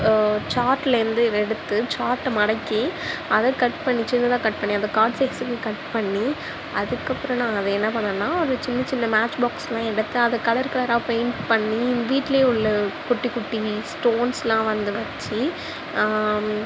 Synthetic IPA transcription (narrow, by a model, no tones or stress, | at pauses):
t͡ʃaːɾʈːɪlɪɾɯnd̪ɯɛɽɯt̪ːɯt͡ʃaːɾʈːmɐɽɐkːiɐðɐkɐʈpɐɳːit͡ʃɪnɐt̪ãːkɐʈ̚pɐɳːiɐðɐkaːɾɖseksɯkːɯkɐʈpɐɳːi | ɐðɯkːɐpːɯɾɐ̃nãːɐðɛɛnːɐpɐɳd̪ɐːnːaːɔɾɯt͡ʃɪnːɐt͡ʃɪnːɐmaːt͡ʃbaːkslãːɛɽɯt̪ːɯɐðɐkːɐlɐɾkɐlɐɾãːpɐɪnpɐɳːiʋiːʈːleːʊɭːɐkʊʈːikːʊʈːisʈoːnslãːʋɐnd̪ɯʋɐt͡ʃːi